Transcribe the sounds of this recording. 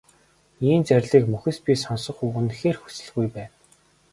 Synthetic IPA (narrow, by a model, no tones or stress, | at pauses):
iːnt͡særʲɮiːkmɵxʲɘ̆spʲisɔnsɞ̆χuːɵ̆nxeːrxu̥sɘ̆ɮɣujpæːn